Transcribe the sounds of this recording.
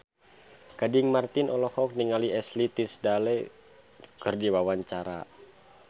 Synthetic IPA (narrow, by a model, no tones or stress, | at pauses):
kadiŋmart̪inʔɔlɔhɔk̚niŋaliɛslit̪isdalɛ | kɨrdiwawaɲt͡ʃaɾa̰